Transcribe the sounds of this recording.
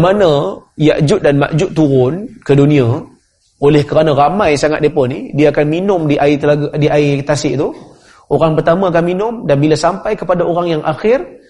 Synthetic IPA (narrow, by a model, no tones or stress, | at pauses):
manaijaʔd͡ʒʊt̪̚danma̰ʔd͡ʒʊtʔ̪t̪ːuɾʊnkədunia | olɛhkəɾanaɾamajsaŋat̪̚dipɔnidiaakanminʊmdiʔait̪əlaɡdiʔait̪asɪʔt̪u | oɾaŋpərt̪amaːk̬anminʊmdanbilasampajkəpadaoɾaŋjaŋʔaxɪr